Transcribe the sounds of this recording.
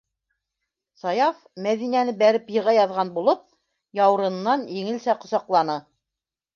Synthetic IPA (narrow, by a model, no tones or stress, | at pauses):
sɑjɑf | mæðinænɘbæɾɘpjɤ̆ʁɑjɑðʁɑnbulˠɤp̚ | jɑwɾɤ̆nnːɑnjɘ̆ŋɘ̆lsæqŏsɑqlˠɑnɤ